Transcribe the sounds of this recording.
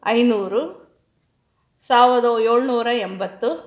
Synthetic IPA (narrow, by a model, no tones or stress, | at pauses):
ɐjnuːɾu | saːʋɾɐd̪ɐeːɭnuːɾɐembɐt̪ːu